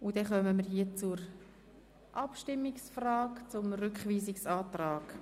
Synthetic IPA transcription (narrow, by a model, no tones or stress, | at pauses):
ʊd̥ɛχœməməɾhiət͡suɾ | ʔɑpʃtɪmːɪksfraːkt͡sʊmrʏkχviːzɪksɑːtraːɡ